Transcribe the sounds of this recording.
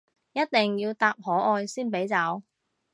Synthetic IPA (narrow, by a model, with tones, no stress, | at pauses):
jɐ˥t̚t̪ɪ˨˩ŋjiː˧wt̪aː˧p̚hɔː˨˥ʔɔː˧jsiː˥npe˨˥jt͡sɐ˨˥w